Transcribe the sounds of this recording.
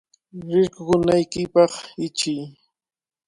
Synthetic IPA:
ɾɪɾkʊkʊnajkɪpɑχɪt͡ʃɪj

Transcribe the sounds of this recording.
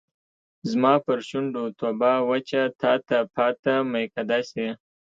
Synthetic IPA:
zmɑpəɾʃʊɳɖot̪obɑwat͡ʃat̪ɑt̪apɑt̪amajkad̪ɑse

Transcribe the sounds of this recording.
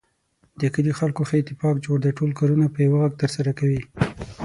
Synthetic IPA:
d̪əkəlixalkoxəɪt̪ɪfɑkd͡ʒoɽd̪əʈolkɑɾunapəjawaɣaɡ̚t̪əɾsaɾakawi

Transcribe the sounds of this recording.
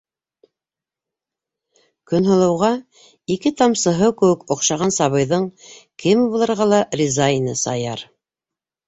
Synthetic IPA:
kɵ̆nɦŏlˠɤ̆wʁɑ | ikɘt̪ɑmsɤ̆ɦɤkɘ̆wɘkŏqʃɑʁɑnsɑβɤ̆jðɤɴkɘmbulˠɤ̆ɾʁɑlˠɑrʲizainɤsɑjɑɾ

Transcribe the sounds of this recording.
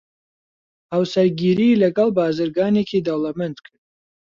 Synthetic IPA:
hawsɐɾɡiːɾilɐɡɐlˠbaːzɨɾɡaːneːkʰiːd̪ɐwlɐmɛnd̪kʰɨɾd̪̚

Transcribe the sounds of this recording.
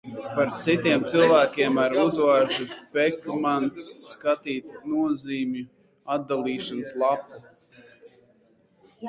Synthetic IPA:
paɾt̪sit̪ʲiɛmt̪sɨlˠvæːkʲiɛmaɾuzvaːɾʒupɛkmansːkat̪iːt̪nuɔziːmju | ad̪̚d̪alˠiːʃanslˠapu

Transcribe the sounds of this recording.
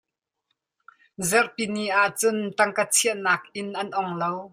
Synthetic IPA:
zɛrpiniʔaʔt͡sʊnt̪ɐŋkat͡sʰiəʔnaːk̚ʔɪnʔɐnʔɔŋlow

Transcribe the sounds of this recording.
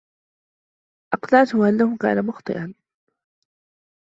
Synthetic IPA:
ʔɑqlɑʕt̪ʊʊʔanːahʊka̰ːnamʊxt̪ˤɨ̰ʔan

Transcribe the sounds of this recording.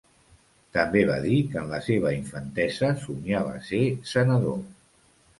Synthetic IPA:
t̪əmbeβ̞a̰ðikənləseβ̞əiɱfənt̪ɛzəsuɲiaβa̰sesənəðo

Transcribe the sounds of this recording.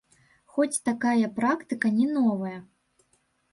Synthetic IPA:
xɔt͡sʲt̪akajɐpɾakt̪ɨkɐnʲɛnɔvɐjɐ

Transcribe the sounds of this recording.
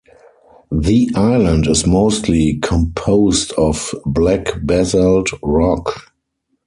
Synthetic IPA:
ðiʔaɪlə̃ndɪzmoʊstʰlikʰɔ̃mpʰoʊstɔfblækbɛzəldɹɔk

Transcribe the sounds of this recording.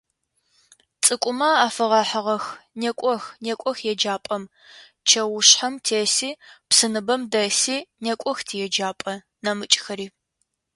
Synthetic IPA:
t͡sʼɨkʷʼʊmaaːfɨʁɑħəʁɐxnekʷʼɔxnekʷʼɔxjɛd͡ʒaːpʼɐm | t͡ʃʰɐwʊɕħɐmtʰeːsiːpsɨnɨbɐmdɐsiːnekʷʼɔxtʰijɛd͡ʒaːpʼɐ | nɐmɨt͡ʃʼxɐɾiː

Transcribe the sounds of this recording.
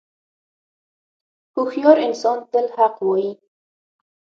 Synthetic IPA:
hʊxjɑɾɪnsɑnd̪əlhaqwɔji

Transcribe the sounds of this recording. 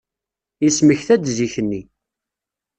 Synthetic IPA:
isməçθæd̪ziçənːi

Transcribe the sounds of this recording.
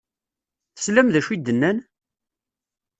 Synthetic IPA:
θə̥slæmðæʃwid̪ːənːæn

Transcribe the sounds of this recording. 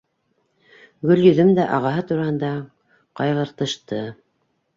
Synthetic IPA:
ɡɵljɵ̆ðɵmd̪æʔɑʁɑɦɤt̪uɾɑhɤ̆nd̪ɑ | qɑjʁɤ̆ɾt̪ɤ̆ʃt̪ɤ

